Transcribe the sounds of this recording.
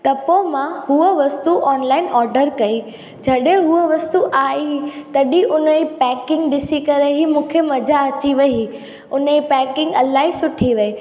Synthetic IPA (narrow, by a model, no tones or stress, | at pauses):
t̪ɐpomãhuəʋɐst̪uʔɔːnlaːɪnɔːɾɖəɾkɐi | d͡ʑʱɐɗẽɦuəʋɐst̪uʔaːit̪ɐɗiʔʊnəipɛːkɪ̃ŋɡɗɪsikɐɾeɦimũːkʰemɐd͡ʑaɐt͡ɕiʋɐɦi | ʊnəipɛːkɪ̃ŋɡɐlaːɦisʊʈʰiʋɐe